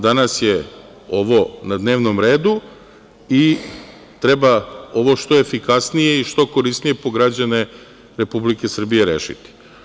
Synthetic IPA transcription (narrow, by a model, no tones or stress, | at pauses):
d̪anasje | o̞ʋo̞nad̪ne̞ːʋnomɾe̞ːd̪u | i | t̪ɾe̞bao̞ʋo̞ʃt̪o̞efikasnije̞iʃt̪o̞ko̞ɾisnije̞po̞ɡɾad͡ʑane̞ | ɾe̞publike̞sr̩bije̞ɾe̞̰ʃḭt̪i̥